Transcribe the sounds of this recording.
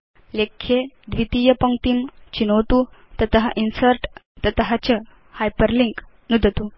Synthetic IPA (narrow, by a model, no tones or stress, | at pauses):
lekʰːed̪ʋit̪ijəpəŋt̪imt͡ɕinowt̪ut̪ət̪əɦa̰ʔinsəɾʈ | t̪ət̪əɦat͡ɕə | hajpəɾliŋk | nud̪ʱət̪u